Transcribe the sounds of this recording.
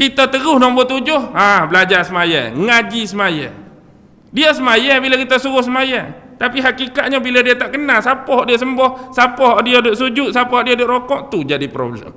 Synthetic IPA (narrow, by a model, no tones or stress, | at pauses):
kit̪ət̪əɣʊhnɔŋmbot̪ud͡ʒʊhabəlad͡ʒasəmajə̰ŋad͡ʒisəmajə̰ | diəsəmajabilakit̪əsuɣʊhsəmajat̪apiɦakikat̪̚ɲəbiladiət̪aʔkənasapɔɦɔʔdiəs̬əmbɔhsapɔɦɔʔdiədʊʔsud͡ʒʊʔ̪̚sapɔhɔʔdiadoʔɾokɔʔt̪ud͡ʒadipɾo̰blə̰m